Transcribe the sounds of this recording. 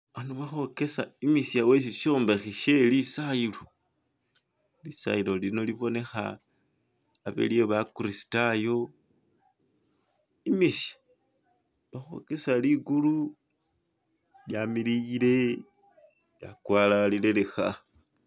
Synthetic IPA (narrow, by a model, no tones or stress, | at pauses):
anoβaxo̞ke̞saimisjawes̬iʃo̞ːmbexiʃe̞lisailo̞ | lisa̰ilo̞lino̞liβo̞ne̞xa̰ | βḛlieβakuɾisi̥tajo̞ | imisjḁ | βaxo̞̰ke̞saliɡulu | ljamiliile̞ | ja̰kwaːlalile̞le̞xa